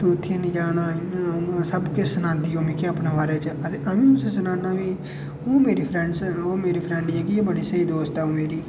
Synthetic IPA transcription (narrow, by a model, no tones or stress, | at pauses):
t̪uːt̪ʰːieːnĩːd͡ʒaːnaː | səbkɪsənãːnd̪ijoːmĩːkʰeəpneːʋaːɾeːt͡ʃəət̪eʔəʋĩːʊsesənãːnaːɦiː | oːmeːɾiːpʰɾɛ̃ɳɖsoːmeːɾiːpʰɾɛ̃ːɳɖɛːkiebəɽiːsəiːd̪oːst̪ɛːoːmeːɾiː